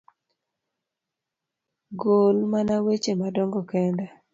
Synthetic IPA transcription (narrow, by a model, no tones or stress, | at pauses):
ɡolmanawet͡ʃemadɔŋɡɔkɛnda